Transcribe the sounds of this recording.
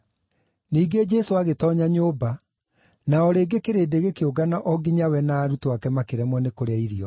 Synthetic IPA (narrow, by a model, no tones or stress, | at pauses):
niːɡed͡ʒɛsoaɣetɔɲaɲoːba | naɔɾeːɡekeɾeːdeɣekeoɡanaʔɔɡiɲawɛnaːɾutowakɛmakeɾɛmwɔnekoɾeaiɾiɔ